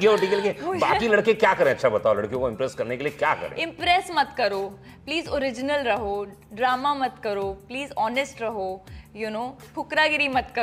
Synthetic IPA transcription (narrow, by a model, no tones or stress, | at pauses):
ɡeɔɖikəlɡebaːkilɐɽkekjaːkɐɾẽːɐtːʃʰabɐt̪aːolɐɽkjõkoɪ̃mpɾeːskɐɾnekeliekjaːkɐ̰ɾḛ̃ɪ̃mpɾeːsmɐt̪kɐɾoː | pliːzɔɾɪd͡ʒɪnəlɾɐɦoː | ɖɾaːmamɐt̪kɐɾoːpliːzɔːnesʈɾɐɦoːjunoːkʰʊkɾaːɡɪɾimɐt̪kɐ